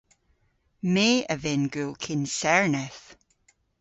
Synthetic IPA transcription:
meːəvɪnɡøkʰɪnsɛɹnɛθ

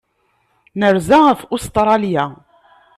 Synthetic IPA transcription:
nəɾzaʁəfʊst̪ɾˤɑlja

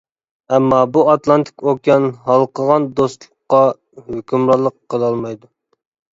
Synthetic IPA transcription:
ɛmːɑbuɑt̪lˠɑnt̪ʰɪ̥kʲokʲjɑnɦɑlˠqʰəʁɑnd̪ost̪lˠʊqːɑ | høkʲymɾɑɾlˠəqʰːəlˠɑlˠmɑjd̪u

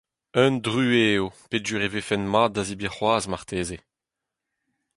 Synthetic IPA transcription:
œndʁyːeːopeʒyːʁevefɛnmaːazibeχwaːzmaʁt̪ʰeːze

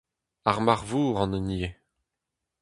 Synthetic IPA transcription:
aʁmaʁvuːʁɑ̃nənie

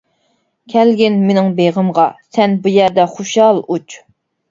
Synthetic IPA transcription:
kʲʰɛlɡʲɪnmenɪŋbeʁəmʁɑsɛnbujæɾd̪ɛχoʃɑlˠut͡ʃ

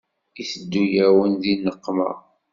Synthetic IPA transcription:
iθəd̪ːujæwənðinːəqːmə̰ʁ

